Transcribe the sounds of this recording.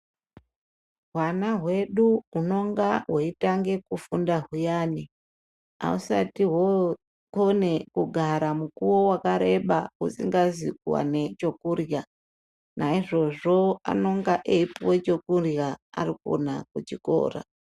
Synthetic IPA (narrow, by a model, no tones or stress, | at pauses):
ɦwanaɦwe̞ɗuuno̞ŋɡaɦweitaŋɡe̞kufundaɦujaːni | a̰usa̰tiɦo | kone̞kuɡʱaɾamukuwo̞wakaɾe̞ɓausiŋɡazikwa̰ne̞t͡ʃo̞kurja | naiʐo̞ʐo̞a̰no̞ŋɡaʔeipowe̞t͡ʃo̞kurjaa̰riko̰nakut͡ʃiko̞̰ːra̰